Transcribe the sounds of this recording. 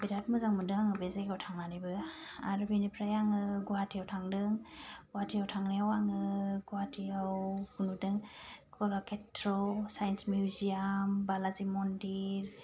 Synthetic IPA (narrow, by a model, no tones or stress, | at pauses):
biɾatmɯzaŋmɯdɯŋaŋɯbezaɡawtʰaŋnanibɯ | a̰ɾɯbinipʰɾajaŋɯɡuwatʰijawtʰaŋdɯŋɡuwatʰijawtʰaŋnijawaŋɯɡuwatʰiawkunudɯŋkʰalakʰetʰɾɔsajnsmjuzijambalazimɔndiɾ